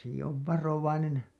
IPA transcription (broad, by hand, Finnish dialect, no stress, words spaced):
seki oʋ ʋɑroʋɑinen